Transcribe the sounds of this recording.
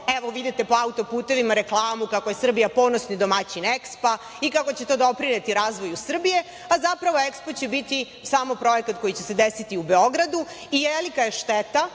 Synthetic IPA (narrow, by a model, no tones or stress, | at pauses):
eʋo̞ʋid̪it̪e̞po̞aut̪o̞puːt̪e̞ʋimaɾe̞klˠaːmukakoje̞sr̩bijapo̞no̞snid̪o̞mat͡ɕinekspa | ikako̞t͡ɕet̪o̞d̪o̞pɾinet̪iɾaːzʋo̞jusr̩bije̞ | azapɾaʋo̞ekspot͡ɕebit̪i | saːmo̞pɾo̞jekat̪ko̞jit͡ɕese̞d̪esit̪iubeoɡɾad̪u | ijelikajeʃt̪et̪a